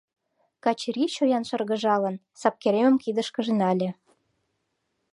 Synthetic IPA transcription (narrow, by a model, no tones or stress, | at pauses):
kɑt͡ɕɾiɕojɑnʃɤ̆rɣə̆ʒɑlə̆n | sɑp̚keɾemə̆mkid̪əʃkə̆ʒenɑlʲĕ